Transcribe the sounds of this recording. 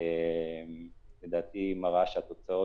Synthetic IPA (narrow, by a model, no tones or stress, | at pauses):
emled̪aːt̪imaʁaʃeat̪o̞t͡sao